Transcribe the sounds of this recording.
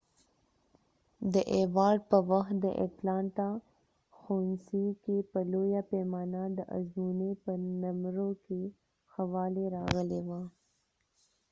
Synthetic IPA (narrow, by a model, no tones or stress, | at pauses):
d̪əʔewɑːɾɖpəwaxt̪̚d̪əʔḛplɑɳʈa | xonsikepəlojapemɑːnad̪əʔa̰zmunepənamɾoke | xawɑːleɾɑɣəlewa